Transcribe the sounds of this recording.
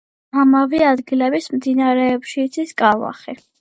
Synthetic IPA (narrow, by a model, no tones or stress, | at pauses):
amaviad̪ɡilɛbismd̪inaɾɛːpʃiːt̪sʰiskʼava̰χi